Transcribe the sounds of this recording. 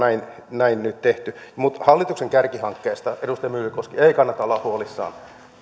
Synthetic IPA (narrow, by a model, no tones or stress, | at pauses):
æin | næinnyt̪t̪eht̪ymut̪hɑlːit̪ukseŋkærkihɑŋkːeːst̪ɑedust̪ɑjɑmyːlykoskieikɑnːɑt̪ɑolːˑɑhhuolisːɑ̰ːn